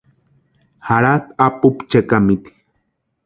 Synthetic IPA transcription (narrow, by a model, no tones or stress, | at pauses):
haɾat̪apupt͡ʃekamit̪i̥